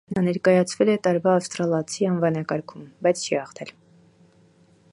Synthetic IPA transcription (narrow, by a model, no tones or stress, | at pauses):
nɑnɛɾkɑjɑt͡sʰvɛlɛt̪ɑɾvɑːfst̪ɾɑlɑt͡sʰiɑnvɑnɑkɑɾkʰumbɑjt͡sʰt͡ʃʰihɑχt̪ʰɛl